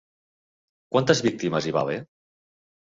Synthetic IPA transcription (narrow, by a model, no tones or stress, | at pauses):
kwant̪əzβik̚t̪iməziβa̰βe